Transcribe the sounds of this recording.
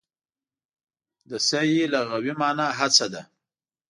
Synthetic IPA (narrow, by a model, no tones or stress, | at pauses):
d̪əsajilaɣawimɑːnaɦat͡sad̪a